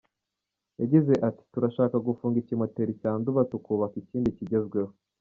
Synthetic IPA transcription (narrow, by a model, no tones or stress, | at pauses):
jaɟize̞ʔati̥tuɾaʃaːkaɡufuːŋɡicimwete̞ɾicaːnduβatukuːβakiciːndiciɟe̞zɡwe̞ho